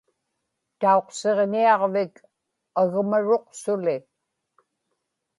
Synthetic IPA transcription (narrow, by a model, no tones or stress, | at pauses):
t̪ao̞qse̞ʁniɑʁvɪk | aɣmaɻo̞qsʊlɪ